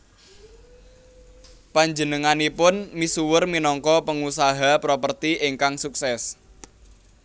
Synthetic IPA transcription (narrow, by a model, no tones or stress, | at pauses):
paɲd͡ʒənəŋanipʊnmisuwərminɔŋkɔpəŋusaɦapɾopərt̪iʔɪŋkaŋsuksɛs